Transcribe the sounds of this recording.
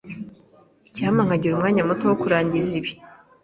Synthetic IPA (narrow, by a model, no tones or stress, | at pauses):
icihamaŋ̥aɟiɾumŋaːɲamutowokuɾaːɲɟiziβi